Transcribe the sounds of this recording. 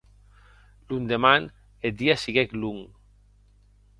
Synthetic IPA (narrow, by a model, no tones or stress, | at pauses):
lund̪eman | ed̪iasiɣekluŋ